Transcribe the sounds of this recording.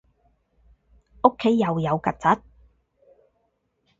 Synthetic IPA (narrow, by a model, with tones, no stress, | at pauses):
o˥kʰːe˨˥jːɐ˨wjɐ˨˧wkɐ˨˩t̚t͡sɐ˨˥t̚